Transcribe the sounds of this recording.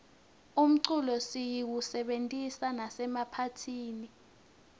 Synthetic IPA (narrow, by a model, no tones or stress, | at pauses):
um̩ǀulɔsijiwusɛɓentʼisanasɛmapʰatʰiːni